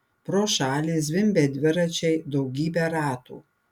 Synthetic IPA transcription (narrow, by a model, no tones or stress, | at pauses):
pɾoːʃɑːlʲiːsd̪ʲʋʲɪmʲbʲɛd̪ʲʋʲɪɾɐt͡ʃʲɛɪd̪ɐʊɡʲiːbʲɛɾɑːt̪ṵː